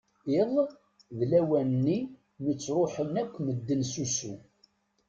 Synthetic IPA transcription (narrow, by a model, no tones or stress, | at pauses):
ɪðˤ | ðlæwænːi | nət͡sːɾˤoħənækʷːməd̪ːənsusṵ